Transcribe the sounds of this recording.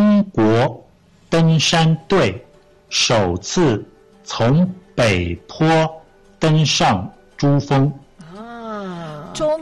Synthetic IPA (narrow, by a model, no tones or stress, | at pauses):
ŋkwɔ | t̪əŋʂant̪weɪ | ʂoʊt͡sʰɹ̩ | t͡sʰʊŋpeɪpʰɔ | t̪əŋʂɑŋ | ʈ͡ʂufɤŋ